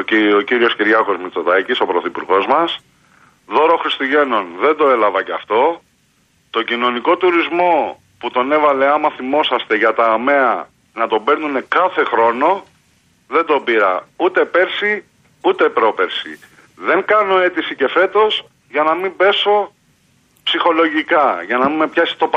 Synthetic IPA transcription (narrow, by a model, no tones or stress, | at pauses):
ociɾio̞sciɾʝɐko̞zmit͡so̞ðɐciso̞pɾo̞θipṵɾɣo̞zmɐs | ðo̞ɾo̞xɾist̪uʝe̞no̞nðe̞nd̪o̞e̞lɐvɐceɐft̪o̞ | t̪o̞ɟino̞niko̞t̪uɾizmo̞ | put̪o̞ne̞vɐle̞ɐmɐθimo̞sɐst̪e̞ʝɐt̪ɐːme̞ɐ | nɐt̪o̞be̞ɾnune̞kɐθe̞xɾo̞no̞ | ðe̞nd̪o̞biɾɐ̰ut̪e̞pe̞ɾsi | ut̪e̞pɾo̞peɾsḭ | ðe̞ŋkɐno̞e̞t̪isice̞fe̞t̪o̞s | ʝɐnɐmibe̞so̞ | psixo̞lo̞ʝikɐʝɐnɐmime̞pçɐsi̥t̪o̞p